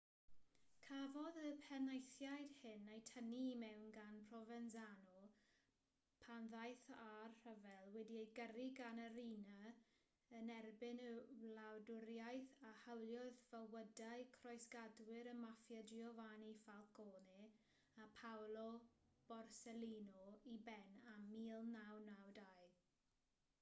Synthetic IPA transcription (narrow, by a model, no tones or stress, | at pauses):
kʰavɔðəpʰɛnajθjajd̥hɪnːajtʰəniːmɛwnɡanpʰrɔvɛnzanɔ | pʰanðajθarhəvɛlˠwɛdiejɡəriɡanəɾina | ənɛrbɪnəlawdʊɾjajθahəwlˠjɔðvəwədajkʰrɔjsɡ̥adwɪɾəmafjadiɔvanifalˠkɔːni | apʰawlˠɔb̥ɔrsɛliːnɔibɛnamiːlˠnawnawdajð